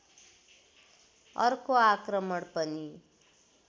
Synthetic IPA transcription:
ʌ̰rkoakrʌmʌɽpʌni

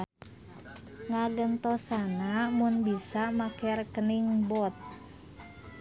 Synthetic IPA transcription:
ŋaɡənt̪ɔsanamunbisamakɛrkəniŋbɔt̪̚

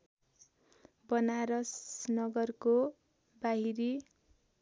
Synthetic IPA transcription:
bʌnaɾʌsnʌɡʌrko | baɦiɾi

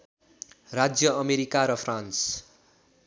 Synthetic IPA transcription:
rad͡zjʌʌmeɾikaɾʌpʰrans

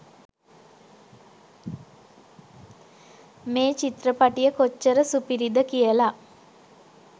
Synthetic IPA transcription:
meːt͡ʃit̪rəpaʈijəkot͡ʃːəɾəsupiɾid̪əkijəla

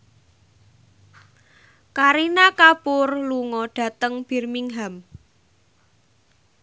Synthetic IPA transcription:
kaɾinakapʊrluŋɔɖ̥ä̤t̪əŋb̥i̤rmiŋɦam

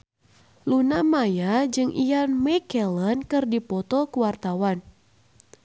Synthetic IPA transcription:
lunamajad͡ʒɨŋʔijanmɛkɛlənkɨrdipɔt̪ɔkuwart̪awan

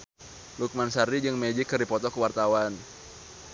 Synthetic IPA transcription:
luk̚mansaɾid͡ʒɨŋmed͡ʒɪkːərdipɔt̪ɔkəwart̪awan

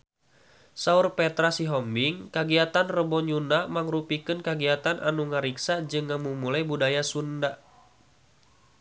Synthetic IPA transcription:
saurpɛt̪ɾasiɦɔmbiŋkaɡiat̪anrəbɔɲunamaŋrupikɨnkaɡiat̪anʔa̰nuŋəɾiksad͡ʒɨŋːamumulajbudajasunda

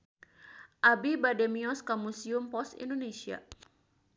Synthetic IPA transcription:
ʔabibademiɔskamusiumpɔst̪ḭndonesia̰

